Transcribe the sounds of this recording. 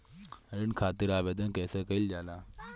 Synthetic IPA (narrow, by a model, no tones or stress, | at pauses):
ɾinkʰaːt̪iɾaːʋed̪ənkɛːsekəild͡ʒaːla